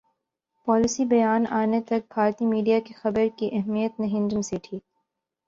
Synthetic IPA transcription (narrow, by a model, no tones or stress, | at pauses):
pɔːlɪsibɐjaːnaːnet̪ɐk̚bʱaːɾt̪imiːɖijakexɐbəɾkiʔɛɦmijət̪nẽɦɪ̃nd͡ʒəmseːʈʰiː